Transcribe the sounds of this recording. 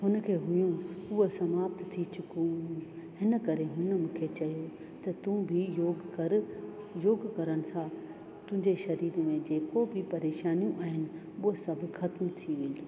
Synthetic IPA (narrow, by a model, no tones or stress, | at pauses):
ɦʊnə̆kʰeːɦʊjũʊɦəsɐmaːbt̪t̪ʰit͡ɕʊkũ | ɦɪnə̆kɐɾeɦʊnəmũːkʰet͡ɕɐjo | t̪ɐt̪ũbʱɪjoːɡkɐɾ | joːɡkɐɾəɽ̃ɪ̆sã | t̪ʊ̃ɦɪ̃ɲd͡ʑeʃɐɾiːd̪mẽd͡ʑeːkobʱɪpɐɾeːʃaːnijũʔaːɦɪnɪ̆ | ʊəsɐbʱɪ̆xɐt̪mt̪ʰiʋɪl